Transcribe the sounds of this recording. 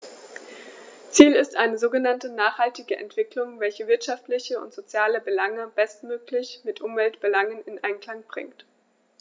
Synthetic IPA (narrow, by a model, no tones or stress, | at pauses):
t͡siːlɪstʔaɪnəzoːɡənantənaːχhaltɪɡəʔɛ̰ntv̥ɪklʊŋvɛlçəvɪɐtʃaftlɪçəʊ̰ntz̥ot͡sjaːləbəlaŋəb̥ɛstmøːklɪçmɪtʔʊmvɛltb̥əlaŋənɪnʔaɪnkl̥aŋb̥ʁɪ̰ŋt